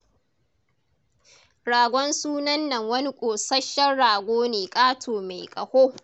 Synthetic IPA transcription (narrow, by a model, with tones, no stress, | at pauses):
ɽaː˨ɡʷɔ˦nsuː˦nɐ˦nːɐ˨ŋwɐ˦ni˦kʷʼoː˨sɐ˦ʃɐ˦rɽaː˨ɡʷoː˦neː˨kʼaː˦tʰoː˨ma˨jkʼɐ̰˨hoː˦